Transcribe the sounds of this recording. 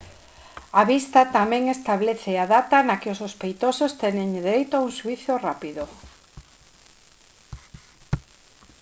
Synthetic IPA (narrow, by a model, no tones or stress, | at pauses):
aβist̪at̪amɛ̃ŋest̪aβleθeaðat̪anakɪʊsospejt̪osost̪enẽŋd̪eɾejt̪oauŋsuiθjorapiðo